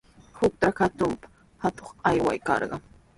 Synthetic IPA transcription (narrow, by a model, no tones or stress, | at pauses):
hʊk̚t̪akat̪ʊmpḁ | hat̪oχajwa̰jkɑ̰ɾɢɑ